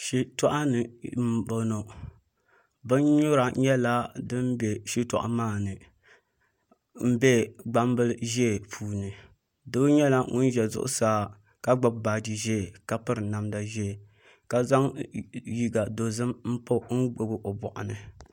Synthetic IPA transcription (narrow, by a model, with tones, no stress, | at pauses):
ʃi˦tɔ˦ʔa˦nɨ˨m̩˨bo˨no˨ | bɨ˦nɲʊ˦ɾa˨ɲɛ˦la˦dɨ˦mbɛ˨ʃi˦tɔ˨ʔa̰˨maː˦˨nɨ˨ | m̩˦bɛ˦ɡ͡ba˦m˦bɨ˦lʒe˦˨pʰuː˨nɨ˨ | dɨ˦ɲɛ˦la˦ŋʊ̰˦n˦ʒɛ˨zʊ̰˦ʔʊ̰˦saː˦ | ka˦ɡ͡ba˦b̚ba˨di˨ʒe˦˨ka˦pɨ˦ɾɨ˨na˨mda˨ʒɛ˦˨ | ka˨za˦ŋji˦ɡa˨do˨zɨ˦mm̩˦po˦ŋ̩˦ɡ͡bo˦bɨ˦ʔo˨bɔ˨ʔa̰˨nɨ˨